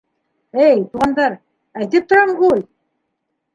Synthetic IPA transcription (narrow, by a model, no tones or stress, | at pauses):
ɘjt̪uʁɑnd̪ɑɾ | æjt̪ɘp̚t̪ŏɾɑɴɢulʲ